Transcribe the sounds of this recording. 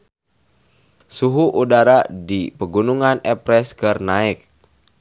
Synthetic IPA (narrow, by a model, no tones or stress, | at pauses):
suɦuʔudaɾadipəɡunuŋanɛpɾɛskərnaɪk̚